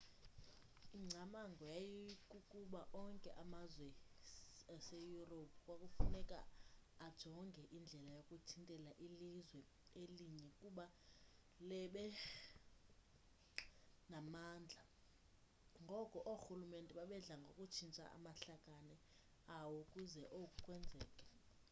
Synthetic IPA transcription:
iŋ͡ǀʱamaŋɡʱɔjajikʼukʼuɓaʔɔŋkʼɛʔamazwɛ | asejuropʰu̥kʼwakʼufunɛkʼa̰ːd̥ʒ̥ʱɔŋɡʱɛʔind͡ɮʱɛlajokʼutʰintʼɛlaʔilizwɛ | eliɲɛkʼuɓa | lɛɓɛ | namaːnd͡ɮʱa | ŋɡʱɔkʼɔʔoxulumentʼɛɓaɓɛɮaŋɡʱokʼut͡ʃʰint͡ʃʼa̰ʔa̰maɬakʼanɛ | awokʼuzɛʔokʼukʼwɛnd͡zʱɛːkʼɛ̥

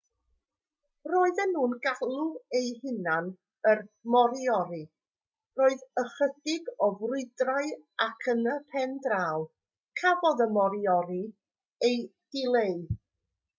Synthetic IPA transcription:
roːɨðɛnːuːnɡalˠuejɦɪnan | ərmɔɾiɔɾi | roːɨðəχədɪɡɔvrʊɨdraɨakʰənəpʰɛndraːwˠ | kʰavɔðəmɔɾiɔɾi | ejd̥ɪlˠeɨ

